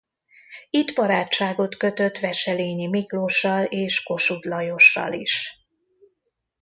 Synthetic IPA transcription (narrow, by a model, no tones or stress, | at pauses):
it̪bɒɾaːt͡ʃːaːɡo̞t̪køt̪øt̪ʋɛʃɛleːɲimikloʃːɒleːʃko̞ʃud̪lɒjo̞ʃːɒ̰liʃ